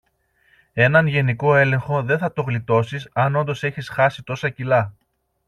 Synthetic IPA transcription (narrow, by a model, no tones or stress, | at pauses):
e̞nɐnʝe̞niko̞e̞le̞ŋxo̞ðe̞nθɐt̪o̞ɣlit̪o̞sisɐno̞nd̪o̞se̞çisxɐsit̪o̞sɐcilɐ